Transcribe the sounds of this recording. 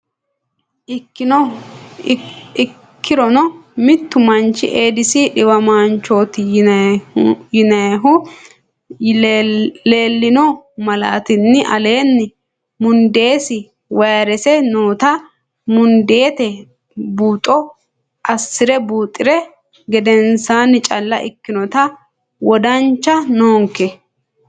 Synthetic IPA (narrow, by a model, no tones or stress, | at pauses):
kʰːɪɾɔnɔmɪt̪ːʊmɐnt͡ʃːɪ̰ʔeːd̪ɪsɪᶑɪwɐmaːnt͡ʃːoːt̪ɪ | jɪnɐjɦʊ | le̞ːlːɪnɔmɐla̰ːt̪ɪnːɪʔɐle̞ːnːɪ | mʊnd̪e̞ːsɪ | wɐjɐɾɛsɛnoːt̪ɐ | mʊnd̪e̞ːt̪ɛ | buːt̪ʼːɔ | ʔɐsːɪɾɛbuːt̪ʼːɪɾɛ | ɡɛd̪ɛnsaːnːɪt͡ʃʼɐlːɐʔɪ̰kːɪnɔt̪ɐ | wɔd̪ɐnt͡ʃːɐnoːŋkːɛ